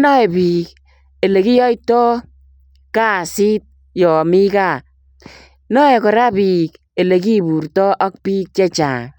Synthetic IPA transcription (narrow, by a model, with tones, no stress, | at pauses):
nɔ˦e˨bi˨k̚ | e˨le˨ki˦jɔ˦jtɔ˦ | kaː˦˨si˦t̚ | jɔ˨mi˦ka˦˨ | nɔ˦e˨kɔ˨ɾa˦bi˨k | e˨le˨k̬i˦˨bu˨ɾtɔ˦ʔɔ˦k̚pi˦k̚t͡ʃe˦t͡ʃa̰˨ŋ